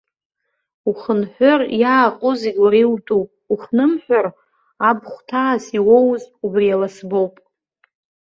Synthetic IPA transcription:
uχənħʷʊrjaːqʼʊzeɡʲaɾiltʼupʼuχnɨmħʷᶣar | abχʷtʰaːsiwo̞wzubrijalasbo̞wpʼ

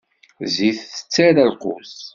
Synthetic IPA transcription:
ziθə̥t͡sːæɾælqʊs

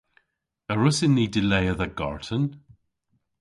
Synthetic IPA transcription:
əɹʊsɪnidɪleɪəðəɡɔ̰ɹtʰən

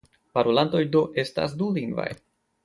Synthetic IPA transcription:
paɾolanto̞jdo̞ʔe̞sta̰s̬duliŋɡva̰j

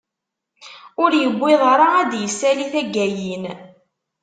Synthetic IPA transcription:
ʊɾjəbʷːɪðˤɑɾˤaæd̪jəsːæliθæɡːæjin

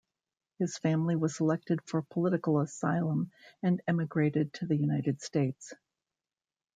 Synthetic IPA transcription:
hɨz̥fæ̃mliwʌz̥səlɛk̚tɨd̥fə˞pʰəlɪɾɨkl̩ˠəsaɪlˠə̃mɨ̃nɛmɨɡɹeɪɾɨd̚tʰɨðɨjʉnaɪɾɨd̥steɪts

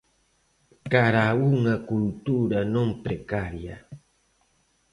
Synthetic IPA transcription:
kaɾauŋakult̪uɾanompɾekaɾja

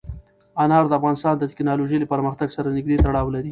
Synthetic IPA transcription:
anɑɾd̪əafɣɑnɪst̪ɑnd̪ət̪ɪ̥knɑloʒejlepəɾməxt̪aɡsaɾanɪɡ̚d̪et̪aɽɑwlaɾi

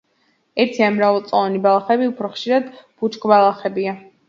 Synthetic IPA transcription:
ɛɾt̪ʰianmɾavalˠt̪sʼɔlˠanibalˠaχɛbiupʰɾɔχʃiɾad̪b̥ut͡ʃʼkʼbalˠaχɛbia

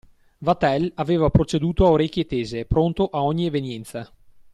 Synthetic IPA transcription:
vat̪ɛlaveːvapɾot͡ʃed̪uːt̪oaoɾekʲːjet̪eːzepɾont̪oʔaɔɲːievenjɛnt̪sa

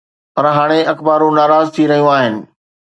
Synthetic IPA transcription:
pɐɾɦaːɽ̃eʔɐkbaːɾũnaːɾaːzt̪ʰiɾɐɦijũaːɦɪnɪ̆

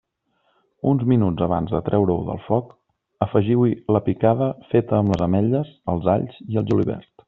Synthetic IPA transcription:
unzminud͡zəβa̰nzðət̪ɾʔɛwɾəuðə̰lˠfɔk | əfəʒiwiləpikaðəfet̪əːmləzəmɛʎəzəlˠzaʎziəlˠʒulḭβɛ̰ɾt̪

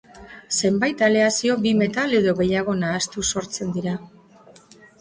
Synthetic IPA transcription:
se̞mbajt̪ale̞asio̞bime̞t̪ale̞ðo̞ɣe̞jaɣo̞naːst̪uso̞ɾt͡se̞nd̪iɾa

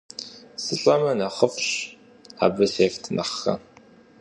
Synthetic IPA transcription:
sɨɬʼɐmɐnɐχəfɕ | a̰ːbɨseːftʰnʔɐ̰χxɐ̰

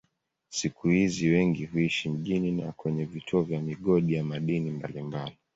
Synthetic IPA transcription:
sikʰuhiziwɛŋɡiɦuiʃim̩ʄinina̰kwɛɲɛvitʰuɔvjamiɠɔɗijamaɗinimba̰limbali

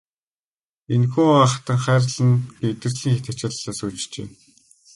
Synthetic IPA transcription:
enxuːaχt̪ə̆ŋχæːrɮə̆nɡeet̪ɘ̆rɮiːŋxet̪at͡ɕɪ̆ɮɮaːsuːt͡ɕt͡ɕḛː

